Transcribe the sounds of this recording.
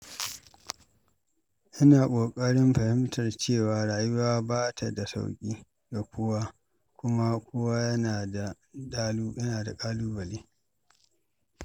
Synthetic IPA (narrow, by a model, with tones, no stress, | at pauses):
ʔɪ˦naː˨kʷʼoː˨kʼɐ˦ɽɪ˦mɸɐ˨hɪ˦mtʰɐ˨rt͡ʃeː˦˨waː˨ɽaː˨jʊ˦waː˦baː˦tʰa˨da˨sa̰˦wkʲʼiː˦ | ɡa˨kʷoː˦wa˦ | kʷʊ˦ma˦kʷʰoː˦wa˦jɐ˦naː˨da˨ | ɗa˦lu˦jɐ˦naː˨da˨kʼaː˦luː˦bɐ˨liː˦